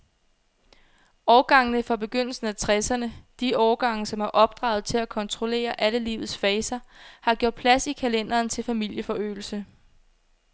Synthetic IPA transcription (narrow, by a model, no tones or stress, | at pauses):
ɒʊɡ̥ɑ̈ŋnəfɑ̈b̥e̝ɡ̥øn̰l̩sn̩æt͡sʰʁɛsɐnəd̥iɒːɐɡ̥ɑ̈ŋ̰n̩sɒ̽mæɐʔɒ̽b̥̚d̥ʁɑ̰̈ːʊð̞̩ˠt͡sʰe̝lækʰɒ̽nt͡sʰʁo̝le̝̰ːɐʔæləlḭːʊð̩ˠsfɛːsɐhɑ̈ɡ̥jo̝ɐ̰d̥̚pʰlæsikʰælen̰d̥ɐːnt͡sʰe̝lfæmil̰jəfɒ̽ø̰ːl̩sə